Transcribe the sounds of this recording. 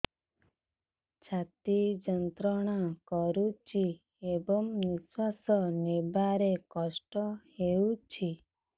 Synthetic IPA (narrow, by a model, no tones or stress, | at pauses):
t͡ʃʰat̪id͡ʒənt̪ɾɔɽ̃akɔɾut͡ʃʰi | ebɔmniswasɔnebaɾekɔʃʈɔheũt͡ʃʰi